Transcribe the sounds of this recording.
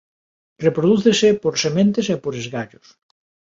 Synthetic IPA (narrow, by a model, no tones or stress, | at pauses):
repɾoðuθesepoɾsemẽnt̪esepoɾezɣaʎos